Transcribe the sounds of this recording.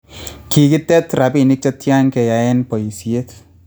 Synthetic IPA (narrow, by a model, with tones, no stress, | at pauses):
ki˨ki˦tɛ˦tɾa˨pi˦˨ni˦k̚t͡ʃa˦tja˦ŋkɛ˨ja˨ɛ˦npɔ˨i˨si˨e˦t